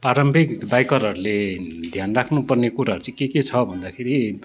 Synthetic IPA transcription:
praɾʌmbʱekbajkʌɾɦʌɾuled̪ʱjanrakʰnupʌrnekuɾaɦʌɾut͡sãĩkeket͡sʰʌbʱʌnd̪akʰeɾi

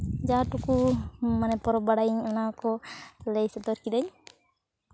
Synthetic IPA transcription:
d͡ʒaʈukumanɛpɔɾɔbaɽajiɲɔnakɔlɛjsɔt̪ɔɾkiɗaɲ

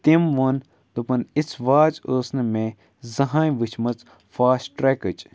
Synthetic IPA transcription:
t̪imʋon | d̪upɐnit͡sʰʋaːt͡soːsnɨmẽ | zɐɦãːjʋɨt͡ʃʰmɐt͡s | faːsʈɾekɨt͡ʃ

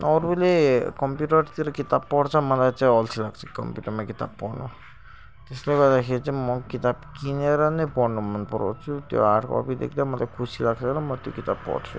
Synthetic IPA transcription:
ɔɾulekɔmpjuʈʌɾt̪iɾɔkit̪ab̚pɔɽt͡sʰɔmʌt̪ajt͡sãĩɔlsʰilaɡt͡sʰʌkʌ̰mpjuʈʌɾmakit̪a̰bpɔɽnṵ | t̪esleɡɔd̪akʰeɾt͡simɔkit̪abkineɾɔnepɔɽnumʌnpɔɾo̰t͡ʃʰut̪jo̰aʈko̰ɔ̰bid̪ḛkʰd̪amʌt̪akʰusʰilaɡt͡sʌɾɔmɔt̪jokit̪abpɔ̰ɽt͡sʰṵ

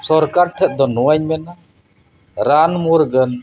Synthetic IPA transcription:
sɔɾkaɾt̪ʰɛt̪̚d̪ɔnɔaɲmɛna | ɾanmuɾɡən

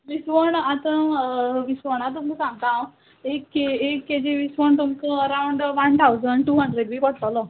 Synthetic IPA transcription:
ʋisʋəɳat̪ãʋisʋəɳat̪̬uməsãŋɡt̪ãw | ekːeekːed͡ʑeʋisʋəɳt̪umt͡səəɾawɳɖʋant̪ʰawd͡zəɳɖʈuːɦəɳɖɾeɖʋiːkəɽt̪alə

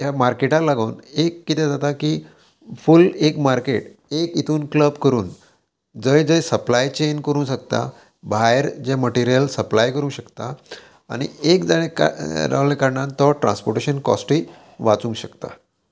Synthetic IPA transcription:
ɦjamaɾkeʈalaɡoːnekːit̪ɛ̃d͡zat̪akiː | fulekmaɾkeʈekit̪ʰuːnkləbkəɾuːn | d͡zəjd͡zəjsəplajt͡ɕenkəɾũːsək̚t̪a̰ | bʱaeɾd͡ʑeməʈiɾijəlsəplajkəɾũŋɕəkt̪a | a̰ɽ̃iekd͡zaɽekɾa̰ʋlekaɾɳãnt̪ɔʈɾã̰nspoɾʈeɕənkɔ̰sʈi | ʋat͡sũŋkɕəkt̪a̰

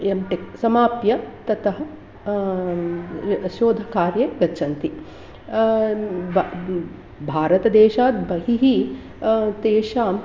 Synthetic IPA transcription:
emʈeksɐmaːpjɐt̪ɐt̪ɐɦɐ | ʃoːd̪ʱɐkaːɾjɐɡɐt͡ʃʰɐnt̪i | bʱaːɾɐt̪ɐd̪eːʃaːt̪bɐɦiɦi | t̪eːʃaːm

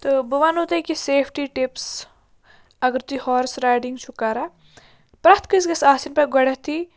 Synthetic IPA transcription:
t̪ɨbuʋanut̪ɐjkiseːpʰʈiʈips | ɐɡəɾt̪uihɔːɾsɾaːjɖiŋɡt͡ʃʰukaːɾa | pɾɐt̪ʰkəsɡɐsaːsinpɐɡɐɽɐt̪ʰi

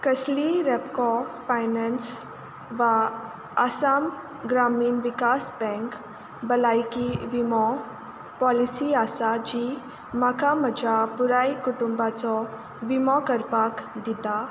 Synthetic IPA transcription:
kəsliɾɛpkɔfajnɛns | ʋa | asaːm | ɡɾamiːnʋikaːsbɛ̃ŋk | bəlaikiʋimɔ | pɔlisiaːsad͡ʑi | makaməd͡ʒapuɾaikuʈumbat͡sɔ | ʋimɔkəɾpakd̪it̪a

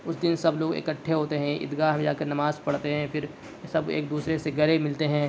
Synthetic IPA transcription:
ʊsd̪ɪnsɐbloːɡɪ̰kəʈʰːeɦoːt̪eɦɛ̃ʔɪ̰d̪ɡaːɦmẽd͡ʒaːkɐɾnɐmaːzpɐɽt̪eɦɛ̃fʰɪɾ | sɐbḛːk̚d̪uːsɾeseɡɐɾemɪlt̪eɦɛ̃ː

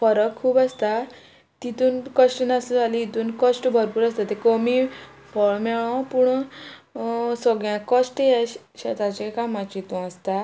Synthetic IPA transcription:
fəɾəkkʰːuːpast̪a | t̪it̪uːnkəsʈnasud͡zaliit̪uːnkəsʈbʱəɾpuːɾast̪at̪ekomifɔɭmɛɭɔ̃puɳ | səɡɭãkəsʈjɛ | ɕat̪at͡ɕekamãt͡ɕit̪ũast̪a

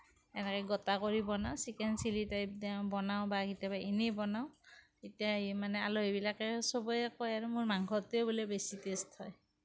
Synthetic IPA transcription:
ɛnɛkɔɡɔtakoɹibɔnawsikɛnsilitajp̚dbɔnaʊbaɡitjabaʔinebɔnaʊ | etijaimanɛaloɦebilakɛsɔbɔjɛkɔjaɹumuɹmaŋkʰɔtobulebesitesthɔj

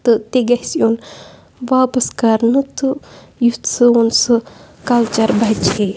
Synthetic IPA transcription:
t̪ɨt̪eɡɐhsjon | ʋaːpɐskaːɾnɨt̪ɨ | jut̪sɨonsɨ | kɐlt͡ʃɐɾbɐt͡ʃe

